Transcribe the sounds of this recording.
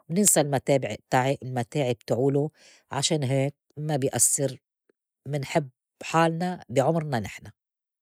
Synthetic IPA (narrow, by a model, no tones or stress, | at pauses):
wnɪnsalmat̪eːbɪʕ̚t̪aʕiʔɪlmat̪eːʕib̚t̪ʕuːlu | ʕaʃeːnɦeːk̚mabɪjʔasːɪɾ | mɪnħɪb | ħaːlnabɪʕʊmɾnanɪħna